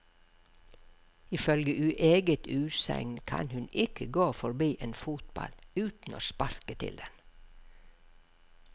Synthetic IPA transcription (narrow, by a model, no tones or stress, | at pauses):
ɪfœlɡəʔʉʔeːɡət̪ʉːsɛ̰ŋnkʰɑnhʉnɪkʰəɡoːfɔɾbiːʔeːnfut̪bɑ̰lʉːt̪n̩oːspɑɾkət̪ʰɪ̰ld̪ɛn